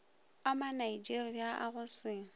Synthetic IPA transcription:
amanaid͡ʒiriaʔa̰ɣʊsɪ

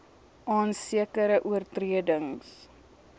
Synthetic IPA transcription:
ʔɑːnsiəkəɾəʔuərtriədəŋs

